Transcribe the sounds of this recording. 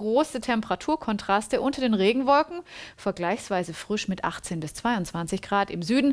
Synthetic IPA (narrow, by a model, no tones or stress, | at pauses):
ʁoːsətʰɛmpəʁatʰuːɐkʰɔntʁ̥astəʔʊntɐdeːnʁeːɡŋ̩vɔlkŋ̩fɛɐɡlaɪçsv̥aɪzəfʁ̥ɪʃmɪtʔa̰χt͡seːnbɪst͡sv̥aɪʊnt͡sv̥ant͡sɪçɡ̥ʁaːtɪmzyːdn̩